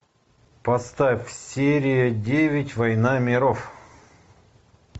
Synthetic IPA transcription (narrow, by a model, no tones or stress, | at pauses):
pɐst̪afʲsʲeɾʲɪjədʲevʲɪtʲvɐjnamʲɪɾof